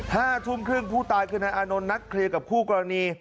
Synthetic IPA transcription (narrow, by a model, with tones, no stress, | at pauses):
haː˥˩t̪ʰu˥˩˨mkʰɾɯ˥˩əŋpʰuː˥˩t̪aː˧jkʰɯː˥˩na˧˥ʔaː˧no˧nːa˦˥kʰːɾi˧əka˨˩p̚kʰuː˥˩kɔ˧ɾa˧niː˧